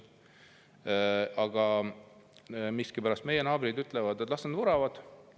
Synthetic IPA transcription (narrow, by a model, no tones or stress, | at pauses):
ɑɡ̥ɑ | miskipæɾɑst̪me̞je̞nɑːbɾid̪yt̪ˑlɛvɑd̪et̪ːˑlɑst̪nd̪vuɾɑvɑd̪̥